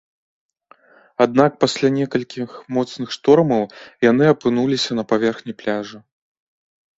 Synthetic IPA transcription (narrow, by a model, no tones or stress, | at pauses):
ad̪̚nak̚pasʲlʲanʲɛkɐlʲkʲixmɔt̪snɨxʂt̪ɔrmɐwjanɨɐpɨnulʲisʲɐnɐpavʲɛrxnʲiplʲaʐɨ